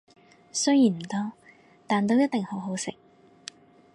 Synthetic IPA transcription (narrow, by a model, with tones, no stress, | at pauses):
sɵ˥ɥjiː˨˩nm̩˨˩t̪ɔː˥ | t̪aː˨nt̪o˥wjɐ˥t̪̚t̪ɪ˨ŋho˨˥wɦo˨˥wsɪ̰˨k̚